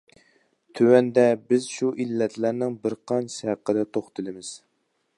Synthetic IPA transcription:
t̪ʰøwɛnd̪ɛbɪzʃuʔilːɛt̪ʰlæɾnɪŋbɪɾqʰɑnʃhæqːəd̪ɛt̪ʰoχt̪ɨlˠɨmɪz̥

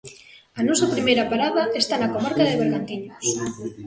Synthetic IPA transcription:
anosapɾimeɾapaɾaðaest̪anakomaɾkaðeβ̞eɾɣant̪iɲos

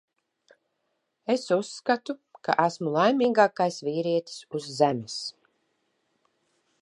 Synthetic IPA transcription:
esusːkat̪uka̰ʔæsmulˠajmiːɡaːkajsviːɾiɛt̪i̥suzːæmis

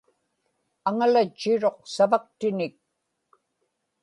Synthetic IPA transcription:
aŋalat͡ʃːɪɻo̞q̚savak̚t̪ɪnɪk̚

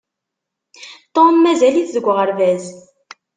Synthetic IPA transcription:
t̪ˤːonmæzæliθðəɡʷːʁəɾvæz

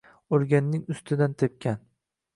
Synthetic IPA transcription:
oɾɡʲanːɪŋʊst̪ʰɪd̪ant̪ʰep̚kʲʰan

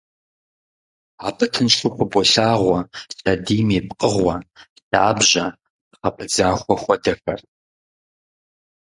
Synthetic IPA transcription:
aːbɨtʰɨnʃuxʷʊbɔɬaːʁʷɐsʼadiːmeːp̚qʼəʁʷɐ | taːbʒɐ | qɐpʰɨd͡zaːxʷɔxʷɐdɐxɐ̰r

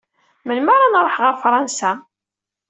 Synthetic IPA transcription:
məlməɾˤanɾˤəħʁəɾfɾˤɑnsa

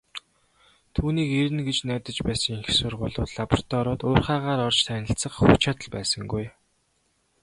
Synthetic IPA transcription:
t̪ʰuːniːkeɾɘ̆nɡet͡ɕnæːt̪ə̆t͡ɕpæːsə̆ŋiŋxsʊrʁʊːɮʊːt̪ɮapɔr̥t̪ʰɔɾʊːt̪ʊːrχaːʁaːɾɔrt͡ɕt̪ʰæːnʲə̆ɬt͡sə̆χxut͡ɕʰat̪ə̆ɮpæ̰ːsə̆ŋɡuj

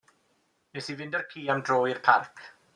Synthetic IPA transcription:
nesivɪndərkʰiːamdroːirpʰarkʰ

